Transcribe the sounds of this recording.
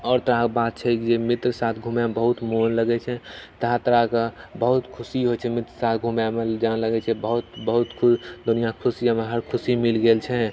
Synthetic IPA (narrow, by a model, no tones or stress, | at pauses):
ɔːɾt̪əɾakbaːt̪̚t͡ʃʰɛkid͡ʒemɪt̪ɾəsat̪ʰɡʱumjamebəɦut̪monləɡɛt͡ʃʰɛt̪əat̪əɾakebəɦut̪kʰʊsiɦot͡ʃʰɛmɪt̪ɾəsat̪ʰɡʱumjamed͡ʒaːnləɡɛt͡ʃʰɛbəɦut̪bəɦut̪kʰʊd̪unijãkʰʊsijameɦəɾkʰʊsimilɡelt͡ʃʰɛ